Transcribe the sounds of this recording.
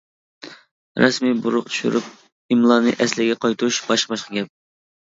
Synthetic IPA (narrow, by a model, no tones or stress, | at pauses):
ɾɑsmibuɾʊqt͡ʃ̪ʰyʃy̰ɾup̚ | imlˠɑnɨʔɛslɪɡʲɛqʰɑjt̪ʰuʃb̥ɑʃqəbɑʃqɨɡʲɛp̚